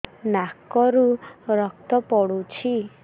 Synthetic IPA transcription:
nakːɔɾuɾɔk̚t̪ɔpɔɽut͡ʃʰi

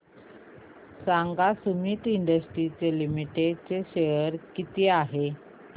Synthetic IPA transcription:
saŋɡasumiːʈiɳɖəsʈɾit͡selimiʈet͡seɕejəɾkit̪iaɦe

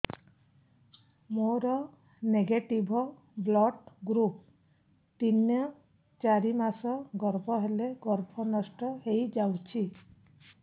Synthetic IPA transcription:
moɾɔ | neɡeʈibʱɔ | blɔʈɡɾup̚ | t̪injɔ | t͡ʃaɾimasɔɡɔɾbʱɔɦeleɡɔɾbʱɔnɔsʈɔɦejd͡ʒawt͡ʃʰi

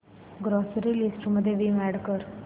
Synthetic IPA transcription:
ɡɾɔsɾilisʈməd̪ʱːjeʋiːʋɛɽkəɾ

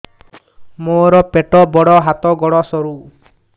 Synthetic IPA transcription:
moɾɔpeʈɔbɔɽɔɦat̪ɔɡɔɽɔsɔɾu

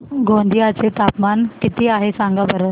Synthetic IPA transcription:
ɡʱõnd̪ʱiat͡set̪apmankit̪iːaɦesãŋɡabʱəɾə

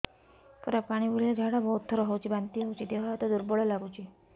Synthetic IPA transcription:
kəɾapaɽ̃ibʱolilad͡zʱaɽabɔut̪ʰːəɾɦowt͡ɕibant̪iːɦowt͡ɕit̪eʋ̤at̪ɔd̪uɾbɔɭəlaɡut͡ɕi

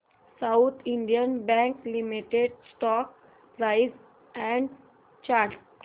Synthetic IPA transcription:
saʊt̪ʰiɳɖijənbɛ̃ŋklimiʈeɖsʈɔk̚ | pɾaɪs | ɛ̃ɳɖ | t͡ʃaɾ

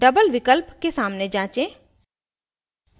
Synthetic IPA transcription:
ɖəbəlʋɪkəlpkesaːmned͡ʒãːt͡ʃẽː

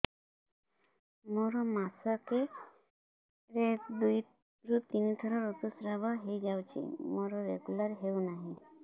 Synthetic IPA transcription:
mɔɾomasake | ɾed̪uj | ɾut̪init̪ʰəɾɔɾut̪usɾabaɦed͡ʑawt͡ɕḛmɔɾɔɾḛɡulaɾɦeunaɦi

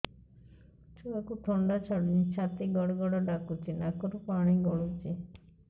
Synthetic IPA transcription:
t͡ʃʰuakuʈʰɔɳɖat͡ʃʰɔɽinit͡ʃʰat̪iɡɔɽɡɔɽɔɖakut͡ʃʰinakɔɾupaɽ̃iɡɔɭut͡ʃi

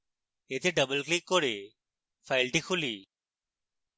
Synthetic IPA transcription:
eːt̪ʰeːɖəbəlkliːkːoːɽeː | faɪlʈiːxʰʊliː

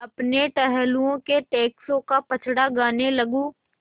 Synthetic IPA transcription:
ɐpneʈɛɦɛluõkeʈeːksõkapɐt͡ʃʰɽaɡaːnelɐɡũː

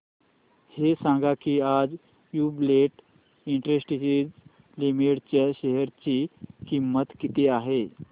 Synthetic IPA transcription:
hesãŋɡakiːad͡z | jubleʈ | iɳʈɾesʈisid͡z | limiʈt͡ɕjaɕeɦəɾt͡ɕiːkimːət̪kit̪eaɦe

